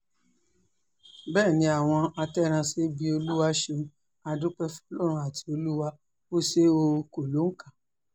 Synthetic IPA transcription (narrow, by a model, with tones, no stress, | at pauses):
bɛː˦˨nĩ˧˦a˨w̃ɔ̃˧a˧tɛ˦ɾ̃ã˧se˦ɡ͡bi˧o˧lu˦wa˧ʃẽ˧˦ | a˧dũ˦k͡pɛ˦fɔ˧lɔ˦˨ɾ̃ũ˧a˨tʰi̥˧o˧lu˦wa˦ | o˦se˦o˧ko˨lo˨˦ŋ̩˦ka˦˨